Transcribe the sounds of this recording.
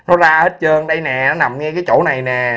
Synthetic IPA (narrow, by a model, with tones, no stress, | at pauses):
nɔ˨˦zaː˧hə˦˥t̚t͡ɕəː˧nɗə˧jnɛ˨˩nɔ˨˦na˨˩mŋɛ˧kaː˨˦jt͡ɕo˧˩na˨˩jnɛ˨˩